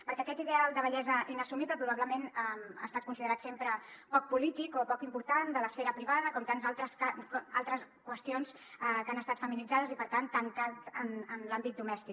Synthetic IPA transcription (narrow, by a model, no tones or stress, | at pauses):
pəɾkɛəkɛt̪iðealˠd̪əβəʎɛzəʔinəsumiβləpɾuβ̞aβləmenɛma̰st̪at̪̚kunsiðəɾat̪sempɾəpɔk̚pulit̪ikopɔkimpuɾt̪and̪ələsfeɾəpɾiβaðəkɔmt̪anzalˠt̪ɾəsaka̰lˠt̪ɾəs | kwəst̪ions | kanəst̪at̪fəminid͡zaðəzipəɾt̪ant̪əŋkat͡sənənlambit̪̚d̪umɛst̪ik